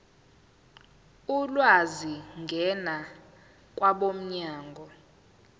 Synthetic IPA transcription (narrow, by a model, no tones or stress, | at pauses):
ulwaziŋɡʱɛna | k̬ʼwaɓom̩ɲaːŋɡʱɔ